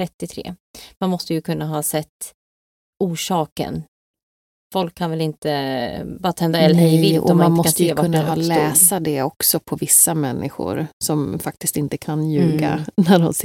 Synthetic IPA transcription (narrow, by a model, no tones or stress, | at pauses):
ɾɛt̪ːɪt̪ʰɾḛːmanmɔst̪əjɵkʰɵnːaɦɑsɛt̪ː | uːʂɑːkə̰n | fɔlkʰːanvɛlɪnt̪əbɑːɾat̪ʰɛnd̪aɛlːəɾɾɛjvɪlɔɔmananɪmɔkat̪səjeːvkaɵnːahɑːlɛːsad̪ɛɔksɔpʰɔvɪsːamɛnːʔɪ̰ɧʊ̰ɾsɔmfak̚t̪ɪst̪ɪnt̪əkʰanjʉ̟ːɡa̰næɖɔms